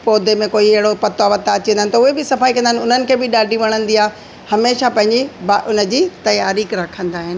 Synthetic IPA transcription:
poːd̪emẽkoːiɪɦɪɽopɐt̪oaʋɐt̪ːaɐt͡ɕĩnaːɪnɪ̆t̪ɐʊɦebɪsɐfaːikɐ̃nd̪aːɪnʊn̤ənɪ̆kʰeːbɪɗaːɖʱĩʋɐɽ̃ə̃nd̪iaːɦ | hɐmeːʃapɐ̃ɦɪ̃ɲd͡ʑibaʔʊnə̆d͡ʑiːt̪ɐjaːɾiːkɾɐkʰə̃nd̪aːɦɪnɪ

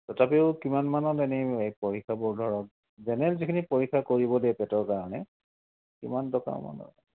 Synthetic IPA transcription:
tɔtʰapɛʊkimanmanɔtɛnɛɛpoɹikʰːabɔɹdʱɔɹɔt̚ | zɛnɛlzikʰinipoɹikʰːakoɹibɔdɛpɛtɔɹkaɹɔnɛ | kḭmantɔka̰ma̰nɔ̰

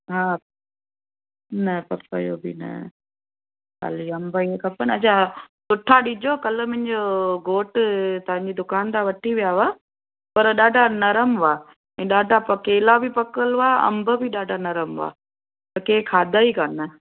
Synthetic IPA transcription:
ɦaː | nɐpɐpə̰jo̰bɪ̰nɐ̰ | ka̰ːliɐ̃mbəiekʰɐpənɐt͡ɕʰasʊʈʰaɗid͡ʑokɐləmɐ̃ɪ̃d͡ʑoɡoːʈt̪ɐʋ̤ãɲd͡ʑid̪ʊkaːnt̪ʰãʋɐʈʰiʋijaʋa | pɐɾɗaːɖʱanɐɾəmʋaː | ĩːɗaːɖʱapɐkeːlabɪpɐkəlʋaːɐ̰̃mbʱəbɪɗaːɖʱanɐɾəmʋa̰ː | t̪ɐkeːkʰaːd̪aikanɐ

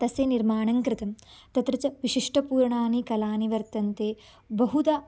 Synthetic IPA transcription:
t̪ɐseːniɾmaːɳɐŋkɾɪt̪ɐmt̪ɐt̪ɾɐt͡ʃɐʋiʃiʂʈɐpuːɾɳaːnikɐlaːniʋɐɾt̪ɐnt̪eː | bɐɦud̪ɐ

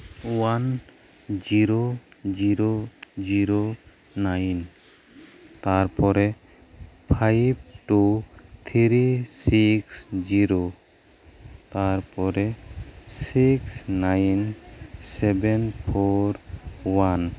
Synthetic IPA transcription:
wan | d͡ʒiɾod͡ʒiɾod͡ʒiɾo | najn | t̪aɾpɔɾe | pʰajb̚ʈut̪ʰiɾisiksd͡ʒiɾo | t̪aɾpɔɾesiksnajnsɛbɛnpʰoɾwan

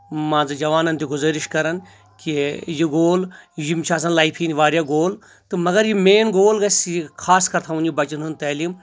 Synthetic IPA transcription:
mãːzɨd͡ʒɐʋaːnɐnt̪iɡʊzɐːɾiʃkɐɾɐn | kijiɡoːljimt͡ʃʰaːs̬ɐnlaːjpʰiːniʋaːɾʲjaːɡoːl | t̪ɨmɐɡɐɾjimeːnɡoːlɡɐsjikʰaːskɐɾt̪ʰaʋunjibɐt͡ʃinunt̪ɐlim

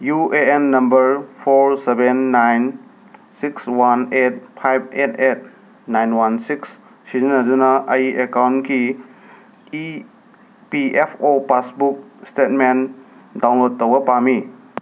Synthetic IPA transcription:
jueenːɐmbɐɾpʰoɾsebenːajn | sikswanet̚pʰajb̚etet̚ | najnwansiks | sizinɐdunɐʔɐjiʔekawnki | i | piepʰopasbuk̚stet̚men | dawnlod̚tːɐwɐpami

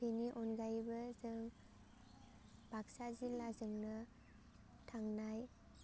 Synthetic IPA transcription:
eniʔɔnɡajbɐzɯŋ | b̥ʱaksazilːazɯŋnɯ | tʰaŋnaj

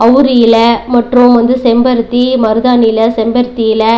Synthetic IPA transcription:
ɐʋɾɪjɪlɐmɐʈrɯ̃mʋɐnd̪ɯsɛmbɐɾt̪ːimɐɾɯðaːnɪjɪlɐsɛmbɐɾt̪ːɪjɪlɐ

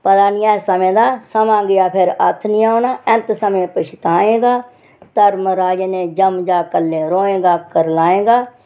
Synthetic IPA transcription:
pəd̪aːnɪjaːsəmẽːd̪aːsəmãːɡɪjaːpʰɪɾə̰t̪ʰnɪjaːoːnaːɛ̃nt̪səmẽːpəʃʰt̪aːẽːɡaː | t̪əɾməɾaːd͡ʒəneːd͡ʒəmd͡ʒaːkəlːẽːɾoːẽːɡaːkəɾlaːẽːɡaː

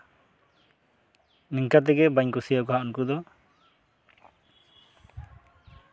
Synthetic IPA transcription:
niŋkat̪̬ɛɡɛbaɲkusijakɔɦaʔunkud̪ɔ

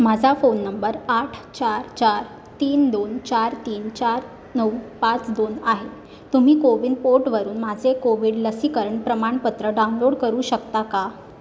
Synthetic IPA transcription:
mad͡zʱafonːəmbəɾaʈʰt͡ɕaɾt͡ɕaɾ | t̪iːnd̪ont͡ɕaɾt̪iːnt͡ɕaɾ | nəwpat͡sd̪onaɦe | t̪um̤iːkoʋiːnd̪̚poɾʈʋəɾuːnmad͡zʱekoʋiːɽləsikəɾəɳpɾəmaɳpət̪ɾəɖaunloɽkəɾuːɕəkt̪aka

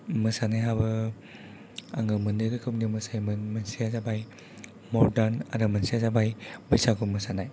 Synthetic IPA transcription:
mɯsanajɦabɯ | a̰ŋɡɯmɯndɯjɾɯkʰɯpnimɯsajmɯnmansiazabaj | mɔɾdana̰ɾɯmansiazabajbɯjsaɡʰumɯsanaj

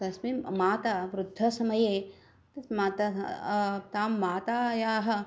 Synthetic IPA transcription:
t̪ɐsmemaːt̪ɐʋɾud̪ʱːɐsɐmɐjeː | ɐmaːt̪ɐ | t̪aːmːaːt̪aːjaːɦɐ̆

